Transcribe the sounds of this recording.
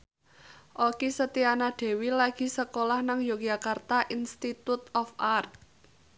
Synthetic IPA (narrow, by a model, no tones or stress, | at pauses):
ʔokisət̪ianaɖ̪̥e̤wilaɡ̥i̤səkolahnaŋjoɡ̥d͡ʒakart̪aʔinst̪it̪ut̪ɔfart̪̚